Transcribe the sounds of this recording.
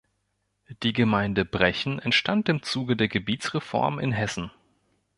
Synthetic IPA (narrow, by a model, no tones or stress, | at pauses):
d̥iːɡəmaɪndəbʁɛçn̩ʔɛntʃtantɪmt͡suːɡədeːɐɡəbiːtt͡sʁ̥efɔ̰ɐmɪ̰nɦɛsn̩